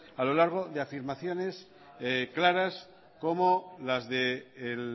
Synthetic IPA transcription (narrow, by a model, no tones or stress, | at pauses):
alo̞laɾɣ̞o̞ðeafiɾmaθjo̞ne̞s | klaɾas | ko̞molazðeːl